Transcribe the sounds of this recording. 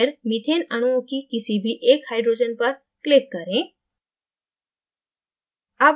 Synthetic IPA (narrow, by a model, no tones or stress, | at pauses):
ɾmit̪ʰenɐñukikisibʱiʔeːkhaɪɖɾoːd͡ʒənpəɾ | klekːəɾẽ | ab